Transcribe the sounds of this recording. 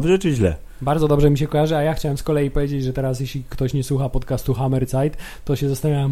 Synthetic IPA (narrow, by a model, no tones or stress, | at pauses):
vʐɛt͡ʂɘʑlɛ̰ | baɾd̪ɔd̪ɔbʐɛmʲiɕ̬ɛkɔjaʐɨajaxt͡ɕawɛmskɔlɛjipɔvʲjed͡ʑed͡ʑʐɛt̪ɛɾas̬jeɕlʲikt̪ɔɕɲɛswuxapɔt̪kast̪uxamɛɾt̪sajt̪ː | ɔɕɛzast̪avʲawɛm